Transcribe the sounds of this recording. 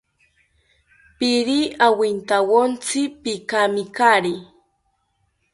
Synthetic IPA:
piɾiawint̪awont͡sipikamikaɾi

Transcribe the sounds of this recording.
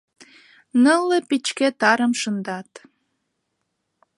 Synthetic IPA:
nəlːepit͡ɕket̪ɑɾə̆mʃənd̪ɑt̪

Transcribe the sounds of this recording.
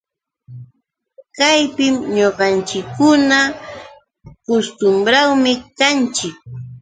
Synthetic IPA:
kajpɪmɲoɢɑnt͡ʃɪkːʊna | kost̪ʊmbɾawmɪkant͡ʃɪk̚

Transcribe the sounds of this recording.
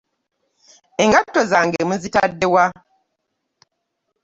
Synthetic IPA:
eŋɡatːozaːŋɡeemuzitadːewa

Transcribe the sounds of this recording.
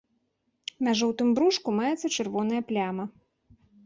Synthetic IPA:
mʲaʐɔwt̪ɨmbɾuʂkumajɛt̪sːɐt͡ʂɨrvɔnɐjɐplʲamɐ

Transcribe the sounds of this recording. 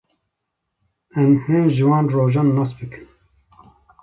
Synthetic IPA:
ɛmheːnʒɨwɑːnroːʒɑːnːɑːsbɨkʰɨ̥m

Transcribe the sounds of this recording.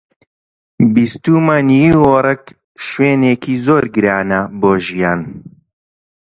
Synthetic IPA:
bist̪uːmaːniiworˤɛk | ʃweːneːkʰiːzoːɾɡɨɾaːnɐboːʒijaːn

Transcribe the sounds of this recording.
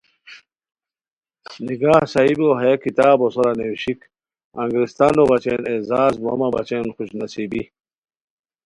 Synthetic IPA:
niɡaːhsɐiboɦɐjekit̪aːbosoɾanewɕik | ɐ̰ŋɡɾist̪anobɐt͡ɕenezaːzmomɐbɐ̰t͡ɕenxuɕnɐsibi

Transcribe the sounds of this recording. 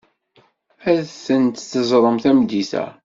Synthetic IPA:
æθənt̪θəzˤɾˤəmθæmd̪iθæ̰

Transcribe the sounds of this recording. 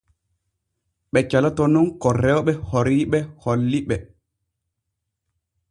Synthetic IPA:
ɓɛt͡ʃalatɔnunkɔrːɛɔɓɛhoɾiɓɛholːiɓɛ

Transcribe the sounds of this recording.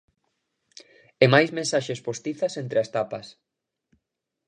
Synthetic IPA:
emajsmẽnsaʃespost̪iθɐsent̪ɾeɐst̪apɐs

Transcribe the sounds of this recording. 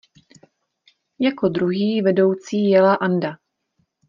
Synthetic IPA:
jako̞dɾuɦiːvɛdo̞wt͡siːjɛlaʔanda

